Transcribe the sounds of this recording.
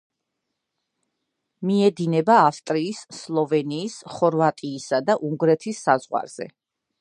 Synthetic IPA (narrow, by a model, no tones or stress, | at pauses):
miɛd̪inɛbaːfst̪ʼɾiːsːlˠɔvɛniːsχɔɾvat̪ʼiːsad̪aʔuŋɡɾɛt̪ʰisːazʁwa̰ɾz̥ɛ̰